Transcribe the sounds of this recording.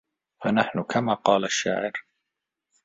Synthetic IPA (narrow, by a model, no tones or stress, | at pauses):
fanaħnʊkʰamaːqɑːlaʃːa̰ːʕɪɾ